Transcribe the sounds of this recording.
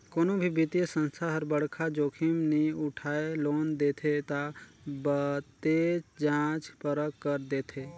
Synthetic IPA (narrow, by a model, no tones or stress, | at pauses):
koːnõbʱibɪt̪ijesə̃nst̪ʰaɦəɾbəɽkʰad͡ʒoːkʰɪmniʊʈʰaːeloːnd̪eːt̪ʰet̪abət̪eːt͡ʃd͡ʒãːt͡ʃpəɾəkːəɾd̪eːt̪ʰeː